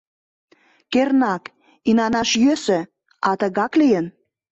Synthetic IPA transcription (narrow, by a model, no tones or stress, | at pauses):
kernɑk | inɑnɑʃjøsø | ɑt̪əɣɑklijən